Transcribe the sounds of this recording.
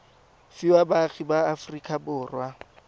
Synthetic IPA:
fiwabaɣibaːfrikʼabʊːrwa

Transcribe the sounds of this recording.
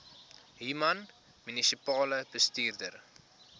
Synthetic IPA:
ɦimɐn | mynisipɑːləb̥əstiːrdər

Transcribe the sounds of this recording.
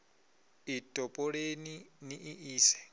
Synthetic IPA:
itʼɔpʼɔɺeniniʔiʔiːsɛ̥

